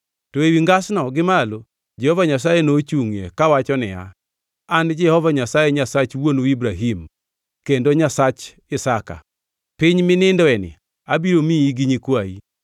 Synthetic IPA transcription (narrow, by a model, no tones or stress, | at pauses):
toewiŋɡasnɔɡɪmalo | d͡ʒɛhɔvaɲas̬ajenot͡ʃuŋḛkawat͡ʃɔnɪa̰ | and͡ʒɛhɔvaɲasajeɲasat͡ʃwonibɾaɦim | kendoɲasat͡ʃ | ɪsaka̰ | pɪɲmɪnɪndɔɛnɪ̰ | abiɾomiiɡiɲikwaḭ